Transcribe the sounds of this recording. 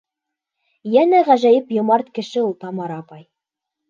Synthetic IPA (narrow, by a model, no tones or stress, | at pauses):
jænæʁæʒæjɘpjŏmɑɾt̪kɘ̆ʃɘulˠt̪ɑmɑɾɑpɑj